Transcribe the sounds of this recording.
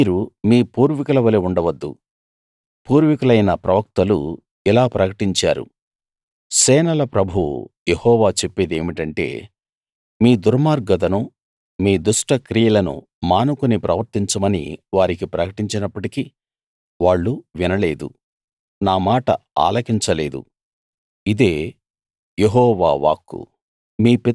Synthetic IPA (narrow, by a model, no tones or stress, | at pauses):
iːɾumiːpuːɾʋikɐlɐʋɐleuɳɖɐʋɐd̪ːṵ | puːɾʋikɐlɐjnɐpɾɐʋɐk̚t̪ɐlṵ | ilaːpɾɐkɐʈiɲt͡ʃa̰ːɾṵ | sɛːnɐlɐpɾɐbʱṵjehɔːʋaːt͡ʃe̞pːeːd̪eːmiʈɐɳʈe̞̰ː | miːd̪uɾmaːɾɡɐd̪ɐnu | miːd̪uʂʈɐkɾijɐlɐnṵ | maːnukunipɾɐʋɐɾt̪iɲt͡ʃɐmɐnḭʋaːɾikipɾɐkɐʈiɲt͡ʃinɐpːɐʈiki | ʋaːɭːuʋinɐle̞ːd̪ṵ | naːmaːʈɐa̰ːlɐkiɲt͡ʃɐle̞ːd̪ṵ | id̪e̞ː | jeɦɔːʋa̰ːʋa̰ːkːṵ | miːpi